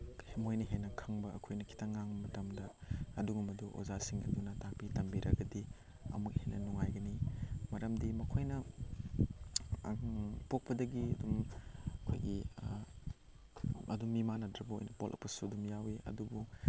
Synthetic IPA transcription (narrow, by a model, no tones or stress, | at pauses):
hemojnɐɦenːɐkʰɐŋbɐɐkʰojnɐkʰi̥tʰɐŋaŋmɐtɐmdɐɐduɡumɐduʔo̰zasiŋɐ̰dunɐtak̚pitɐmbiɾʔɐɡɐdi | ɐ̰muk̚henʔɐnuŋajɡɐnimɐɾɐmdimɐkʰojnɐ | pok̚pɐdɐɡiɐdumɐkʰo̰jɡi | ɐ̰dumːimanɐdɾɐbɐo̰jnɐpolʔɐ̰pɐsuɐdumjawiɐ̰dubu